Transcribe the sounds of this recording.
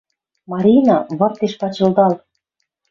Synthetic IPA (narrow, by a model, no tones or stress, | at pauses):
mɑɾʲinɑβɤ̆rt̪eʃpɑt͡ɕɤ̆ld̪ɑl